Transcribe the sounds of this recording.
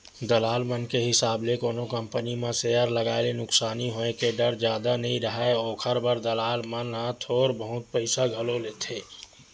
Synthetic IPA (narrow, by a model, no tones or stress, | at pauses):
d̪əlaːlmənkeɦɪsaːblekoːnokə̃mpənimẽsejəɾləɡaːelenʊksaːniɦoːẽkeɖəɾd͡ʒjaːd̪anəɦĩɾəɦɛoːkʰəɾbəɾd̪əlaːlmənɦãt̪ʰoːɾbəɦʊt̪̚pəɪsaɡʱəloleːt̪ʰeː